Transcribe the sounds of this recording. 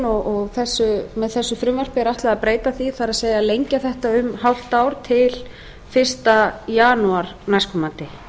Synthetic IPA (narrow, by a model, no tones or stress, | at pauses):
ɔɔɣθɛsːʏmɛðθɛsːʏfɾʏmvar̥pɪɾaht̪laðapɾeːjt̪aθiθaɾaðseːjɣalejɲcaθɛht̪aʏmhawl̥t̪aːwɾ̥t̪ʰɪl | fɪr̥st̪ajaːnuaɾnajskʏmaːnt̪ɪ